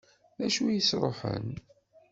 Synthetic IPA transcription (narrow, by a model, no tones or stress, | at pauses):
ðæʃujəsɾˤoħə̰n